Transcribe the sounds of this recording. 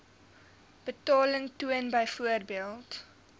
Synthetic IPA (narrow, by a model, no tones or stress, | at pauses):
b̥ətɑːləŋtuənbɐjfuərbiəlˠt